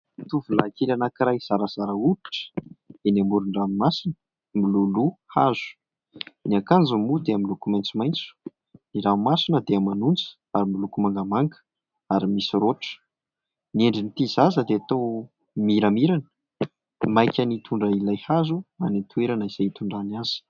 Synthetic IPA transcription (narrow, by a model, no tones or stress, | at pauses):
t̪uvulakelanakiɾajz̥aɾaz̥aɾəui̥ʈ͡ʂə̥d̪̥eniambuɾuɳɖ͡ʐammasinə | miluluhaz̥u̥ | niakand͡zumud̪eamilukumajnt͡sumajnt͡su̥ | niɾamasinəd̪eamanunt͡sə̥ | aɾimilukumaŋɡəmaŋɡə̥ | aɾimisɾoʈ͡ʂə̥ | neɳɖ͡ʐinit̪izazəd̪eat̪ow | miɾamiɾanə̥ | majkʲənit̪ʰuɳɖ͡ʐəilajhazuanit̪ʰueɾanəiz̥ajt̪uɳɖ͡ʐanaz̥i̥